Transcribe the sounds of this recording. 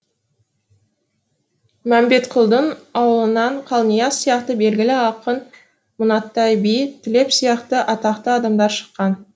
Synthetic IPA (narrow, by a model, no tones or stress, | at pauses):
mæmbe̞t̪qʰʊlˠd̪ənɑwəlˠənɑɴqʰɑlˠnijɑsijɑqt̪əbe̞lɡʲɪlɪɑqən | mʊnɑt̪ːɑjbijt̪ʰɪle̞psijɑqt̪əʔɑt̪ɑqt̪əɑd̪ɑmd̪ɑɾʃə̥qːɑn